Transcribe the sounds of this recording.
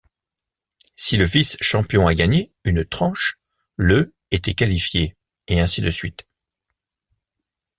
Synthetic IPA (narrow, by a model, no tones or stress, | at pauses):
siləvisʃɑ̃pjɔ̃aɡaɲeynt̪χɑ̃ʃ | lø | et̪ɛkalifje | eɛ̃sid̪əsɥit̪